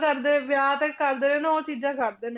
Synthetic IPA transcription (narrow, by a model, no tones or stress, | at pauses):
kəɾd̪eːʋjaːt̪əkkəɾd̪eːneːnoːt͡ʃiːd͡ʒãːkəɾd̪eːne